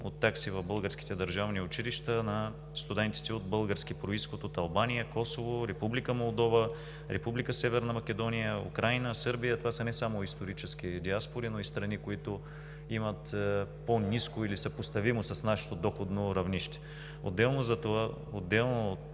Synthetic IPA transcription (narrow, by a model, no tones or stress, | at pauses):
o̰t̪ːaksivɐvbɤlˠɡəɾsk̟i̥t̪ɛd̪ɐɾʒavniʊt͡ʃiliʃt̪ənɐ | st̪ud̪ɛnt̪i̥t̪ɛod̪bɤlˠɡəɾsk̟ipɾoisxot̪ot̪ɐlˠbanijəkɔsovoɾɛpublikəmolˠd̪ɔvə | ɾɛpublikəsɛvɛɾnɐmɐk̟ɛd̪ɔnijəṵkɾajnəsɤɾbijət̪ovasənɛsamoist̪oɾit͡ʃɛsk̟id̪iaspoɾinoist̪ɾɐnikoit̪ʊ | imət̪poniskoilisəpost̪ɐvimosɐsnaʃɛ̥t̪od̪ɔxod̪noɾɐvniʃt̪ɛ̥ | o̰d̪ːɛlˠnozɐt̪ova | od̪ːɛlˠnot̪